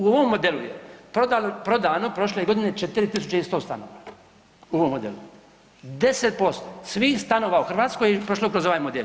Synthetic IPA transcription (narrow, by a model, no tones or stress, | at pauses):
uoʋomːod̪elujḛpɾod̪alopɾo̞d̪aːno̞pɾo̞ʃleɡo̞d̪ine̞t͡ʃet̪iɾit̪isut͡ʃeist̪o̞ːst̪ano̰ːʋa | uoʋomːod̪ḛlu | d̪e̞set̪̚po̞st̪osʋixst̪ano̞ːʋauxrʋaːt̪skojipɾoʃlokɾo̞zo̞ʋaːjmod̪el